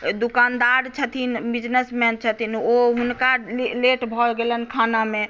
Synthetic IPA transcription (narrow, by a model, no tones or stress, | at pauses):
d̪ukand̪aɾt͡ʃʰət̪ʰinbid͡ʒnesmɛnt͡ʃʰət̪inoɦunkaleʈbʱɔlɡelənkʰaname